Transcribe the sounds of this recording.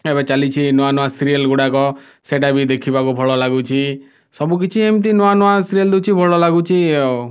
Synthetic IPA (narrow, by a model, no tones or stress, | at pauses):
ebɛt͡ʃalit͡ʃʰinɔanɔasiɾijəlɡuɽakɔ | seʈabʱid̪ekʰibakubʱɔɭɔlaɡut͡ʃʰi | sɔbuk̬it͡ʃʰiamit̪̬ĩnɔanɔasiɾijəld̪ut͡ʃʰibʱɔɭɔlaɡut͡ʃʰiɔ